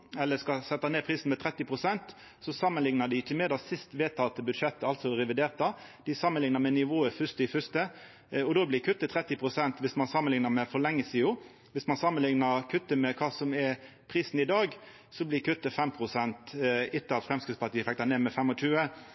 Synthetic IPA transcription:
ɛlːəskɑsɛt̪ːɑneːpʰɾiːsn̩mɛt̪ʰɾɛt̪ːɪpʰʁʊsɛnt̪ | sɔsɑmːənlɪŋnəd̪ɪɪçːəmeːd̪ɑsɪst̪ʋeːt̪ʰɑt̪əbʉd̪ʂɛt̪ːəɑlt̪sɔɾɛʋɪd̪eːʁt̪ɑd̪̥ɪsɑmːənlɪŋnɑmɛnɪʋoːəfʏst̪ɪfʏst̪ə | ɔd̪oːblɪkʰʉt̪ːət̪ʰɾɛt̪ːɪpʰʁʊsɛnt̪ʋɪsmɑnsɑmːənlɪŋnɑmɛfɔɭɛŋːəsɪːʊ | ʋɪsmɑnsɑmːənlɪŋnɑɾkʰʉt̪ːəmɛkʰɑːsɔmɛ | pʰɾiːsn̩ɪd̪ɑːɡ | sɔblɪkʰʉt̪ːəfɛmpʰɾʊsɛnt̪ɪt̪ːəɾɑt̪fɾɛmskɾɪt̪spʰɑʈ̪iːəfɛk̚t̪ɑneːmɛfɛmːɔt͡ʃʉːə

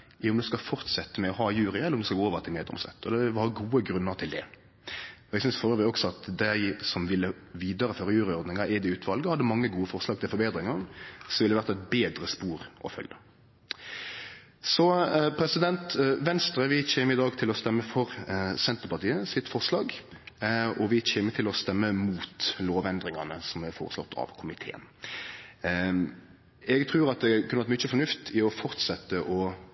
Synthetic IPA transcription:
ʊmd̪ʉskɑfɔɾt̪sɛt̪ːəmɛɔhɑːjʉːɾɪɛlːɔmd̪ʉskɑɡoːɔʋət̪ʰɪlmeːd̪ɔ̰msɛ̰t̪ːɔd̪ɛʋɑɡuːəɡɾʉnːəɾt̪ʰɪld̪ɛ̰ | ɔɛɡsʏnsfɔɾəʋæɔksɔɑt̪d̪æɪsɔmʋɪlːəʋiːd̪ɑɾəføːɾɑjʉːɾɪɔɾd̪nɪŋɑʔɪd̪ɪʉːt̪ʰʋɑlɡəhɑd̪ːəmɑŋːəɡuːəfɔʁslɑːɡ̚t̪ʰɪlfɔɾbeːd̪ɾɪŋɑsɔʋɪld̪ɛʋæɾt̪ɑɛt̪beːd̪ɾəspuːɾʔɔ̰fœ̰ljə | sɔpʰɾɛsɪd̪ɛnt̪ʋɛnst̪ɾəʋɪt͡ʃeːməɾɪd̪ɑːɡt̪ʰɪlɔst̪ɛmːəfɔɾsɛnt̪əpɑʁt̪iːəsɪt̪fɔʁʂlɑːɡ | ɔʋɪt͡ɕeːmət̪ʰɪlɔst̪ɛmːəmuːt̪loːʋɛnd̪ɾɪŋɑnəsɔmblɛfɔ̰ːɾəslɔ̰t̪ʰːɑ̰ʋkʰʊmɪt̪ʰḛːə̰n | ɛɡt̪ʰɾʉːɾɑt̪̚d̪ɛkʰʉnəʋɑɾt̪mʏt͡ʃːəfɔnʉft̪ʰɪɔfɔɾt̪sɛt̪ːəʔɔ

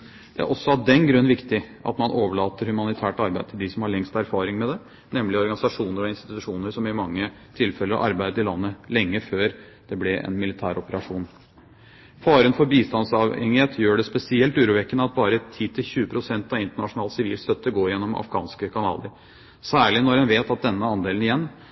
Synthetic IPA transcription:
d̪̥ɛæ̰ɾʔɔsːɔɑʋd̪ɛnɡɾʉnːʋɪkt̪ɪʔɑ̰t̪mɑnʔoːʋəɭɑːt̪əɾhʉmɑnɪt̪ʰæːʈɑɾbæɪt̪ʰɪld̪ɪsɔmhɑɭɛŋst̪æɾfɑːɾɪŋmɛd̪ɛ | nɛmlɪɔɾɡɑnɪsɑʂuːnəɾɔɪnst̪ɪ̥t̪ʉʉʂuːnəɾʂɔmɪmɑŋːə | t̪ʰɪlfɛləɾ̰ʔɑ̰ɾbæɪd̪əɪlɑnːəlɛŋːəføːɾ | d̪̥ɛblɛɛ̰nmɪlɪt̪ʰæːɾɔpəɾɑʂuːn | fɑːɾənfɔɾbiːst̪ɑnsɑʋɛŋːɪheːt̪ʰjøːɖɛspɛsɪɛlt̪ʉːɾuːʋɛkːənəɑt̪̚bɑːɾət̪ʰiːt̪ɪlçʉːəpʰɾʊsɛnt̪ɑʋɪnt̪əɳɑʂʊnɑːlsɪʋiːlst̪œt̪ːəɡoːɾjɛnːɔmʔɑ̰fɡɑ̰ːnskəkʰɑnɑ̰ːlə̰ɾ | sæːɭɪnɔɾɛnʋeːt̪ɑt̪̚d̪ɛnːəɑnd̪eːlnɪjɛnː

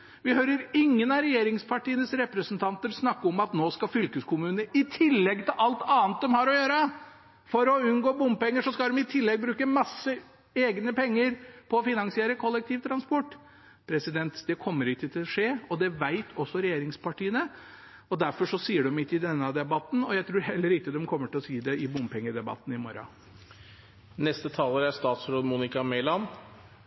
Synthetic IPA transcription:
ʋɪhœʏɾəɾɪŋːənɑɾɛjeːɾɪŋspʰɑʈiːənəsɾɛpɾəsnt̪ʰɑnt̪əɾsnɑkːəɔmɑt̪noːskɑfʏlkəskʰʊmʉːnəɪt̪ʰɪlːɛɡt̪ʰɪlʔɑlt̪ʰɑːnt̪̚d̪ɛmhɑɾɔjøːɾə | fɔɾɔʉnɡoːbʊmpɛŋːəʂɔskɑld̪ɛmɪt̪ʰɪlːɛɡ̚bɾʉːkəmɑsːə | eːɡnəpʰɛŋːəɾpʰɔːfɪnɑnsɪeːɾəkʰɔlːɛk̚t̪ʰiːʋt̪ʰɾɑnspɔʈː | pʰɾɛsɪd̪ɛnt̪d̪ɛkʰɔmːəɾɪkt̪ət̪ʰɪlɔʂeːɔd̪ɛʋæɪt̪ʰɔsːɔɾɛjeːɾɪŋspʰɑʈiːənə | ɔd̪æɾfɔʂɔsiːəɖʉmɪt̪ːɪd̪ɛnːəɑd̪ɛbɑt̪ːn̩ɔjæɪt̪ʰɾuːɾhɛlːəɾɪt̪ːəd̪ɛmkʰɔmːəʈʰɪlɔsiːd̪ɛɪbʊmpʰɛŋːəɖ̪ɛbɑ̰t̪ːn̩ɪmɔɾɑ̰ | nɛst̪ət̪ʰɑːləɾæɾst̪ɑːt̪sɾoːd̪muːnɪkɑmɛːlɑn

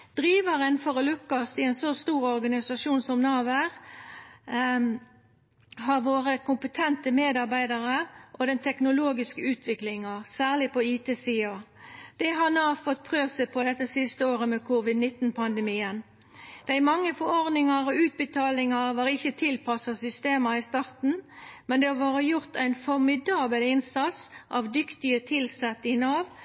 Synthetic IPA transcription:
d̪̥ɾiːʋəʁənfɔʁəlʉkːɑsɪɛɪnsɔst̪uːɾɔɾɡɑnɪsɑʃuːnsɔmnɑːʋæʁ | ɦɑʁʋoːɾəkʊmpət̪ʰɛnt̪əmeːd̪ɑʁbæɪd̪ɑʁəʔɔd̪ɛnt̪ʰɛknʊloːɡɪskəʉːt̪ʰʋɪklɪŋɑsæːʁlɪpɔiːt̪eːsiːɑd̪̥ɛɦɑnɑːfɔt̪̚pʰʁøːʋsəpʰɔd̪ɛt̪ːəsɪst̪əoːʁəmeːkʰuːʋɪd̪nɪt̪n̩pʰɑnd̪əmiːən | d̪̥æɪmɑŋːəfɔɾɔʁd̪nɪŋɑɾɔʉːt̪̚bət̪ʰɑːlɪŋɑʋɑːʁɪçət̪ʰɪlpʰɑsɑsʏst̪eːmɑɪst̪ɑʁt̪n̩mɛnd̪ɛhɑʋoːɾəjʊʁt̪ʰæɪnfɔʁmɪd̪ɑːbəlɪnsɑt̪sʔɑːʋd̪ʏkt̪ɪət̪ʰɪlsɛt̪ːɪnɑːʋ

